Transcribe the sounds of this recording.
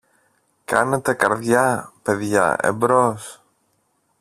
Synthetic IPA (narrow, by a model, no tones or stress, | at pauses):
kɐ̰net̪e̞kɐɾðʝɐpe̞ðʝɐ̰ḛbɾos